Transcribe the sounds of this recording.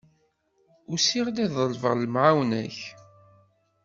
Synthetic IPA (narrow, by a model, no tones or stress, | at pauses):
ʊsiʁd̪æðˤəlvəʁləmʕawnæ̰ç